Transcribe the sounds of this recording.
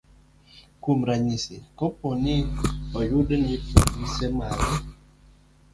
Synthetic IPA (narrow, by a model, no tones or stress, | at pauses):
kumɾaɲisekoponɪɔjʊdnɪpokmisemaɾɛ